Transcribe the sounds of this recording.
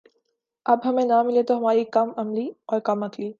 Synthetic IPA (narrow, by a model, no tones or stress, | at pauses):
ɐbɦɐmẽnamɪlet̪oɦɐmaːɾikɐmɐmliɔːɾkɐmɐt̪ʰliː